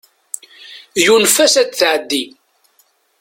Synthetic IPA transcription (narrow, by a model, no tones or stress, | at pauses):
junfæsæd̪θʕəd̪ːi